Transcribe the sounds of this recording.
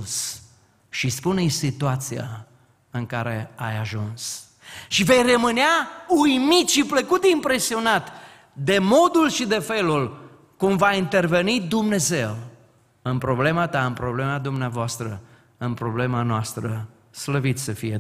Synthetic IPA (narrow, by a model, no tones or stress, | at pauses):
s | ʃispunejsit̪uat̪sia̰ | ɨŋkaɾe̞a̰jaʒuns | ʃive̞jrəmɨneaujmit̪ʃipləkut̪impɾe̞sio̞nat̪ | d̪e̞mo̞d̪ulʃid̪e̞fe̞lul | kumvaint̪e̞rve̞nid̪umne̞ze̞w | ɨnpɾo̞ble̞mat̪aɨnpɾo̞ble̞mad̪umneavoast̪ɾə | ɨnpɾo̞ble̞manoast̪ɾə | sləvit̪səfije